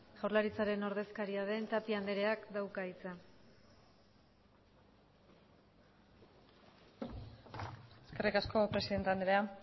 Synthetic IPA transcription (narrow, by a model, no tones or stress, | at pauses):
ʝawɾlaɾit͡saɾe̞no̞ɾð̞e̞skaɾiaðe̞nt̪apiand̪eɾe̞akd̪awkait͡sa | eske̞rikasko̞pɾesiðe̞nt̪eand̪eea